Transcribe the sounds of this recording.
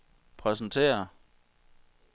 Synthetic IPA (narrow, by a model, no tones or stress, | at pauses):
pʰʁɛsn̩t͡sʰe̝̰ːɐ